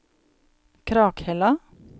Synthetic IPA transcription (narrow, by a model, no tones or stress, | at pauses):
kʰɾɑːkhɛlɑ